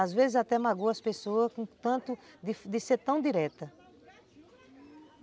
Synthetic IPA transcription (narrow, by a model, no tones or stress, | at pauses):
azvezɪzat̪ɛmaɡowɐspesoɐskõt̪ɐ̃t̪ʊd̪ɪfd̪ɪseɾt̪ɐ̃w̃d̪iɾɛt̪ɐ